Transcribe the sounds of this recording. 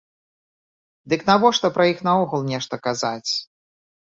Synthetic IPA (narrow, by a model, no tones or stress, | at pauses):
d̪ɨknavɔʂt̪ɔpɾɐjixnɐɔɣulˠnʲɛʂt̪ɐkazat͡sʲ